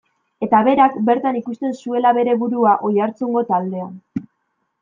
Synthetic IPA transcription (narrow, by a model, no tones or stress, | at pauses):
e̞t̪aβe̞ɾakbe̞ɾt̪anikust̪e̞nsue̞laβe̞ɾe̞βuɾuaʔo̞jaɾt͡suŋɡo̞t̪ald̪e̞a